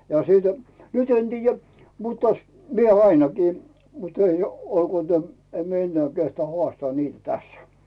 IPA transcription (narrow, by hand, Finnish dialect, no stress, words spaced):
jɑ siˑlti̥ nyt en tiːjæ mutː ɑs mie ɑinɑkiː mut ei olkuoˑ tæm em mie enːĕæː kehtŏɑˑ hoɑˑstŏɑː niːtæ̆ tæsːæ̥